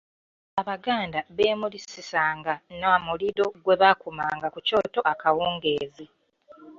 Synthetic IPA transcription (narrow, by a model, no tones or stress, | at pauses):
aβaɡaːndaβe̞ːmulisisaːŋɡanamuliɾo̞ɡwe̞βakumaːŋɡakuco̞ːto̞ʔakawuːŋɡe̞ːzi